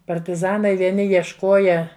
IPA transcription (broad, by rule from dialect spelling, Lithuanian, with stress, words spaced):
pɐrʲtʲɪˈzɑːnɐɪ ʋʲiɛˈnʲɪ jiɛʃˈkoːjɛ